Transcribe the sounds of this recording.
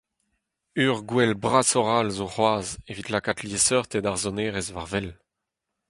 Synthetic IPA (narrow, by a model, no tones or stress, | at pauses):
yːʁɡwɛlbʁasɔʁalzoχwaːzevit̪lakat̪ljesœʁt̪ed̪aʁzɔneːʁezvaʁvɛl